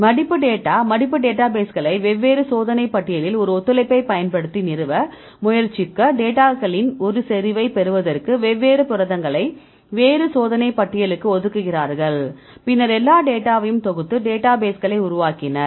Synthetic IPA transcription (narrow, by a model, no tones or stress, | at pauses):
mɐɽɪpːɯɖeːʈːaːmɐɽɪpːɯɖeːʈːaːbeːsɣɐɭɐɪʋɛʋːeːɾɯsoːðɐnɐɪpːɐʈːɪjɐlɪlɔɾɯɔt̪ːɯlɐɪpːɐɪpɐjɐnpɐɽɯt̪ːinɪɾɯʋɐ | mʊjɐɾt͡ʃɪkːɐɖeːʈaːɣɐɭɪnɔɾɯsɛɾɪʋɐɪpɛɾɯʋɐðɐrkɯʋɛʋːeːɾɯpʊɾɐðɐŋɡɐɭɐɪ | ʋeːɾɯsoːðɐnɐɪpɐʈːɪjɐɭɯkːɯɔðɯkːɯɣɪraːɾɣɐɭ | pɪnːɐɾɛlːaːɖeːʈːaːʋɐjɯmt̪ɔɣɯt̪ːɯɖeːʈːaːbeːsɣɐɭɐɪʊɾʊʋaːkɪnɐɾ